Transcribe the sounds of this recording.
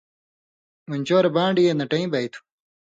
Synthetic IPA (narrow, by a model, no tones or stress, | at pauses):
muɲʲt͡ɕoːɾɐbãːɳɖijenɐʈɐĩbɐjt̪ʰu̥